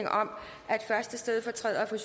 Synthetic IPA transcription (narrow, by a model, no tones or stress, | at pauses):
ŋʔɒ̽m̰ | ʔæe̝d̥fɶɐsd̥əsd̥eð̞ˠfɒ̽t͡sʰʁɛ̰ð̰ˠɐfɒɕ